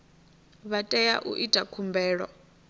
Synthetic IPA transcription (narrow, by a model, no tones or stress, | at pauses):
βatʼɛja̰ʔṵʔitʼakʰumbɛːɺwa̰